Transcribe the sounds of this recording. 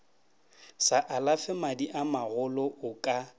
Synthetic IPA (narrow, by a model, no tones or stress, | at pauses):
saʔalafɪmadiʔamaɣʊlɔʊkʼa